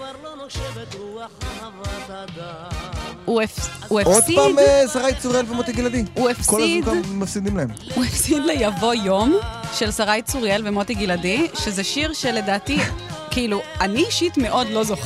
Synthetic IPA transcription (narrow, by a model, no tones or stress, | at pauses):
uefuefodsipadmesaʁajit͡suʁielvemot̪iɡilad̪iuefskolidkammafsid̪imlaemuefsid̪lejavo̞jo̞mʃe̞lsaʁajt͡suʁielvemo̞tiɡiladiʃezeʃiʁʃe̞le̞daːtikiiluaniʃitmeʔo̞dlo̞zo̞χe